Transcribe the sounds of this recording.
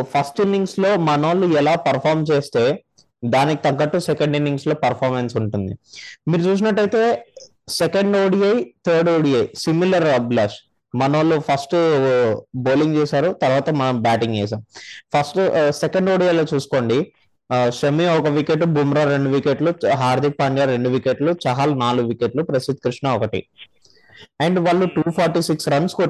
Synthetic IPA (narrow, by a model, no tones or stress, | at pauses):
pʰɐsʈinːiŋɡslo̞ːmɐnoːluɛlaːpɐɾpʰaːɾmt͡ʃeːst̪e̞ː | d̪aːnikit̪ɐŋkɐʈːusɛkɐɳɖinːiŋɡslo̞ːpɐɾpʰaːɾmensuɳʈund̪imiːɾut͡ʃuːs̬inɐʈːɐjt̪e̞ː | sekɐɳɖoːɽiɐjt̪ʰɐːɾɖoːɽiɐjsimilɐɾblaːs | mɐnoːlupʰɐsʈ | boːliŋɡt͡ʃɛːsaːɾut̪ɐɾʋaːt̪ɐmɐnɐmbaːʈiŋɡt͡ʃɛ̰ːs̬aːmpʰɐsʈsekɐɳɖoːɽijɐjloːt͡ʃuːsu̥ko̞ːɳɖi | ʃɐmiɔkɐʋikeʈbʱuːmɾaːɾe̞ɳɖuʋikeʈluɦaːɾd̪ʱik̚paːɳjaːɾe̞ɳɖuʋikeʈlut͡ʃɐɦaːlnaːluɡʋikeʈlupɾɐsid̪̚kɾiʂɳɐɔkɐʈḭ | ɐɳɖʋaːɭːuʈuːpʰaːɾʈiːsiksɾɐnsko